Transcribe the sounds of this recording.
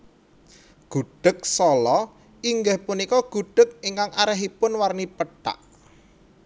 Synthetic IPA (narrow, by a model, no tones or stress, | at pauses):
ɡ̥uɖ̥ə̤k̚sɔlɔ | ʔiŋɡəhpunikɔɡ̥ṳɖ̥ə̤k̚iŋkaŋʔaɾɛɦipʊnwarnipəʈa̰ʔ